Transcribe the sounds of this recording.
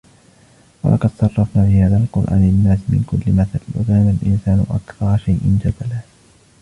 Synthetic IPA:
wa̰lʔɑqɑd̪sˤɑrˤːɑfnaːfɪhaːðaːlqʊɾʔa̰ːnɪnːaːsmɪ̰nkʊlːɪmaθalwa̰zaanalʔɪ̰nsaːnʊ̰ʔakθɑɾˤɑʃajʔɪnd͡ʒad̪al

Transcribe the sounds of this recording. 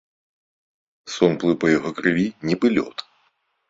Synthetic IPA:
sonplˠɨpɐjɪɦokɾɨvʲinʲɪbɨlʲo̰t̪

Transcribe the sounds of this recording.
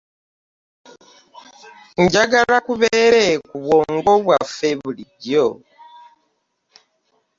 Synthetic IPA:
ɲɟaɡalakuβeɾekuβwoːŋɡo̞βwafeβuliɟo

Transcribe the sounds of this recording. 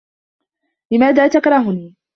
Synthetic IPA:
lɪmaːðaːt̪akɾˤɑɦʊniː

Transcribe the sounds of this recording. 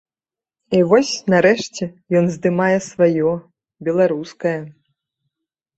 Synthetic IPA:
ivɔsʲnaɾɛʂt͡sʲɛjɔnzd̪ɨmajɛsvajɔ | bʲɛlˠaɾuskɐjɐ

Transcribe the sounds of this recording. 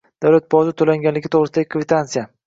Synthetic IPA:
d̪̥awlat̪̚bɒzɪt̪ʰːolaŋɡʲanlɪɡʲɪt̪ʰɒwʁɾɪsd̪aɡʲɪkʰvɪt̪ʰant̪sija

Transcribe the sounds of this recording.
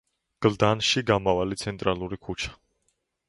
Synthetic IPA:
ɡ̥ld̪anʃiɡamavalit̪sʰɛnt̪ʼɾalˠuɾikʰut͡ʃʰḁ

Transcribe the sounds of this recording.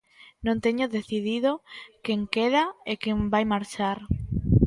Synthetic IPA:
nõnt̪eɲʊðeθiðiðokeŋkeðaekembajmaɾt͡ʃaɾ

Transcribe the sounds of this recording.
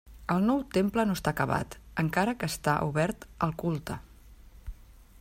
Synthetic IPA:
əlˠnɔwt̪emplənoəst̪akəβ̞a̰t̪əŋkaɾəkəːst̪aʔuβɛɾt̪əlˠkulˠt̪ə

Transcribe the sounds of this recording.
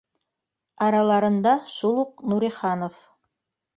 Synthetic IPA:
ɑɾɑlˠɑɾɤ̆nd̪ɑʃulˠuq̚nuɾiχɑnof

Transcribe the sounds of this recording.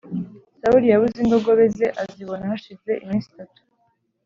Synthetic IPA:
sauɾijaβuziŋɡo̞ɡo̞βe̞ze̞ʔaziβo̞nahaʃize̞ʔimiːnsi̥tatu̥

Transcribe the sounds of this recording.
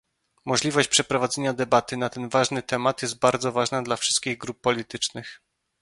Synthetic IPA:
mɔʐlʲivɔɕt͡ɕpʂɛpɾɔvad̪zɛɲad̪ɛbat̪ɘnat̪ɛnvaʐnɘt̪ɛmat̪jɛst̪̚baɾd̪zɔvaʐnad̪lafʂɘst̪̚kʲiɣɡɾupːɔlʲit̪ɘt͡ʂnɘx

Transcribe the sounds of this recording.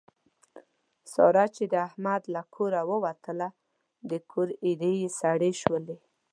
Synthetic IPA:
sɑ̰ɾɑt͡ʃed̪əahmad̪lakʰoɾawəwat̪əla | d̪əkʰoɾid̪ejesaɽeʃwəle

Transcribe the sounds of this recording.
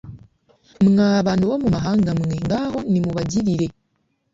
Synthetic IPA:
mŋaːβanuβomumaɦaːŋɡamŋeŋɡaːho̞nimuβaɟiɾiɾe̞

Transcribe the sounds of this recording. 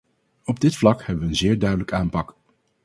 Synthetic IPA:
ɔb̚dɪtflɑkhɛbəʋəənzɪːɹdœɥdələkaːmpɑk

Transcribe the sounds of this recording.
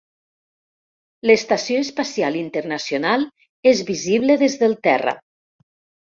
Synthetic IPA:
ləst̪asjoespasjalint̪eɾnasijonalˠ | ezβiziβleðezðelˠt̪ɛ̰rə̰

